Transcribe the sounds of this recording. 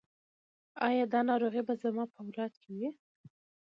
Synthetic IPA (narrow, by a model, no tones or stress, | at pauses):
ɑjɑd̪ɑnɑɾoɣibazamɑpəwlɑt̪kʰɪwi